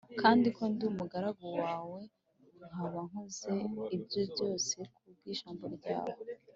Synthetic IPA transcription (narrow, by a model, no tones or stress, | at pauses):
kʰaːndiko̞ndumuɡaɾaɡowaːwe̞ | ŋ̥haβaŋ̥hoze̞ibjo̞bjo̞ːse̞kʰub̚ɡiːʃaːmboɾɟa̰ːwo